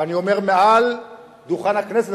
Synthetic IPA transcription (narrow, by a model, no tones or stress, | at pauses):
anio̞me̞ʁmeal | d̪uχanakneset